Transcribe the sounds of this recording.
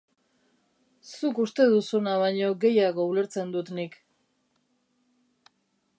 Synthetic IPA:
sukust̪e̞ðusunaβajɲo̞ɡe̞jaɣo̞ule̞ɾt͡se̞nd̪ut̪nik

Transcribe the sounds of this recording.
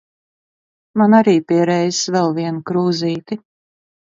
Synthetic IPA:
manaɾiːpiɛɾɛjsvɛlˠviɛnkɾuːziːt̪i

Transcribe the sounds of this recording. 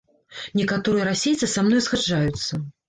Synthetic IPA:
nʲɛkat̪ɔɾɨjɐɾasʲejt̪sɨsamnɔjsxad͡ʐːajut̪sːɐ

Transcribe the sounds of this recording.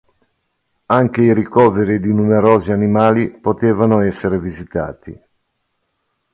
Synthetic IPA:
aŋk̟eiɾikɔːveɾid̪inumeɾɔːzianimaːlipot̪eːvanoɛsːeɾevizit̪a̰ːt̪ḭ

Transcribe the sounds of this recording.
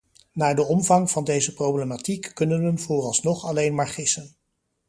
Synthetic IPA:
naːdəɔmvɑŋv̥ɑndejzəprowblematikːɵnənənv̥oːrɑlˠsnɔχɑlejnmaːɹχɪsən

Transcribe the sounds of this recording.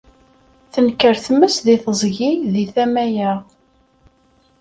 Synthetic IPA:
θənkːəɾθmːəsðiθəzˤʝiðiθæmæjæ

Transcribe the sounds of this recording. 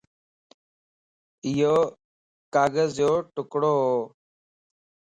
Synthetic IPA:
ɪjoː | kaːɡəzjoːʈʊkɽoːɦoː

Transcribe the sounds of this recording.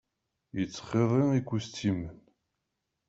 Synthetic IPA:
jət͡sːχeðˤeikʷːust̪ʰimən

